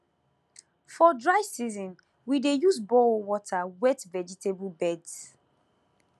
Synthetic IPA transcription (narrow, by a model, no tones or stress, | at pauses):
fɔdɹaɪvsizɔ̃n | widejuzbɔlwɔtʰawɛtvɛd͡ʒitʰebulbɛds